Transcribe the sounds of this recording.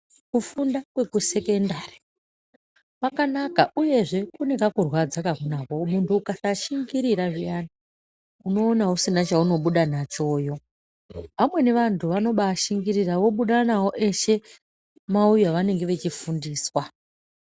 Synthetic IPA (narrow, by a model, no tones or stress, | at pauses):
kufundakwe̞kuse̞ke̞ndaːri̥ | pakanakaʔuje̞ʐe̞kune̞kakurwad͡zakakunakomuntʰuːkasaʃiŋɡiɾiɾaʐijana | uno̞ːnausinat͡ʃauno̞ɓuɗanat͡ʃo̞ːjo̞ | pamwe̞ne̞ʋantʰuʋano̞ɓaʃiŋɡiɾiraʋo̞ɓuɗanawo̞ʔe̞ʃe̞ | maujaʋane̞ŋɡe̞ʋe̞t͡ʃifundiːswa